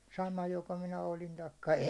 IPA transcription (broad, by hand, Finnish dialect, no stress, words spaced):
sɑmɑ joko minæ olin tɑikːɑ